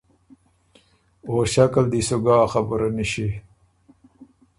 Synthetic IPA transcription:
oːɕakald̪isuɡaːxɐbəɾɐniɕi

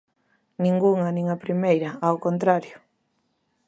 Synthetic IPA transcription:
nĩŋɡuŋɐnĩŋapɾimejɾɐawkont̪ɾaɾjʊ

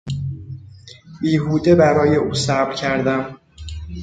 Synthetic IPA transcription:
biːɦuːd̪ebæɾɒːjeʔuːsæbɾcʰæɾd̪æm

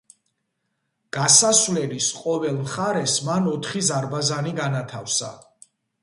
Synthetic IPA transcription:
ɡ̥asasvlɛlisqʼɔvɛlˠmχaɾɛsmanɔt̪ʰχizaɾbazaniɡanat̪ʰafsa̰

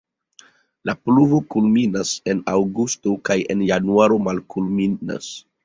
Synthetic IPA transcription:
lapluvo̞kulminase̞nawɡustokaje̞̰njanuaɾo̞malkulmina̰s

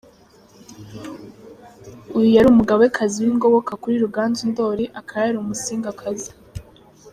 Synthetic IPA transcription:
ujujaɾuːmuɡaβoekʰaziwiŋɡo̞βo̞kakuɾiɾuɡaːnzundo̞ːɾiʔakʰaɾaɾumusiːŋɡakʰazi

